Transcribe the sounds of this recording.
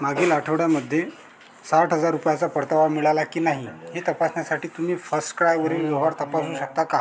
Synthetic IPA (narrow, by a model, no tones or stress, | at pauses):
maɡiːlaʈʰəʋɽjaməd̪ʱːje | saʈɦəd͡zaɾːupjat͡sapəɾt̪əʋaɽmiɭalakiːnaɦihet̪əpasnjasaʈiːt̪um̤iːfəsʈkəɾajʋəɾiːljoɦʋaɾt̪əpasuːɕək̚t̪aka